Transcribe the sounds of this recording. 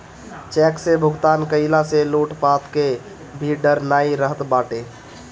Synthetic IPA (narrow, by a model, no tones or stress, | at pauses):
t͡ʃɛksebʱʊɡt̪aːnkəɪlaseluʈpat̪ke | bʱiɖəɾnaiɾəɦət̪baʈe